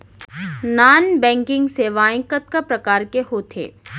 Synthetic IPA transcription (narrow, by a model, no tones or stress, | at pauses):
naːnbɛ̃ːŋkɪ̃ŋɡseʋaːɪ̃kət̪̚kapɾɐkaːɾkeɦoːt̪ʰḛː